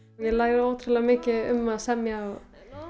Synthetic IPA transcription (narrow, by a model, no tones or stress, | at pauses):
jɛlaːjɣɾɪowt̪ʰɾalamɪːcɪʏ̰mːaðsɛmjaaw